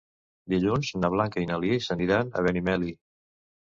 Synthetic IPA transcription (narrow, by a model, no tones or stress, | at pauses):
d̪iʎunznəβ̞laŋkəinəliesəniɾanə̰βɛnimɛli